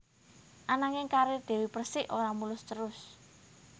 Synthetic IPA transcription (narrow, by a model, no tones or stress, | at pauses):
ʔanaŋɪŋkaɾɪd̪̥e̤wipərsɪʔoɾamulʊst̪əɾʊs